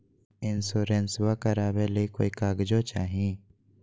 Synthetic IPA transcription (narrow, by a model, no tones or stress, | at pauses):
ɪnsoːɾenswakəɾaːbeleiko̰ːikaːɡd͡ʒot͡ʃaːɦĩː